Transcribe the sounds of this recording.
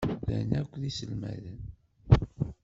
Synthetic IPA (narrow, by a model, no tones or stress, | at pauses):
lænækʷːðisəlmæðən